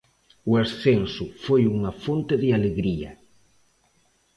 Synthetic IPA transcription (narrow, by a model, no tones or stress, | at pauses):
ʊesθensʊfojuŋɐfont̪eðɪaleɣɾiɐ̰